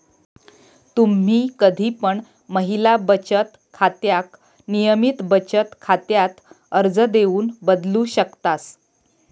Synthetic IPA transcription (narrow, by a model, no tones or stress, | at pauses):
t̪um̤iːkəd̪ʱiːpəɳ | məɦilabət͡ɕət̪ | kʰat̪jak | nijəmit̪bət͡ɕət̪kʰat̪jat̪ | əɾd͡zəd̪euːnbəd̪luːɕəkt̪as